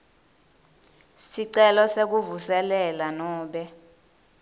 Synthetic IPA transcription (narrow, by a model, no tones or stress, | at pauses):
siǀɛlɔsek̬uvusɛlɛlanɔːɓɛ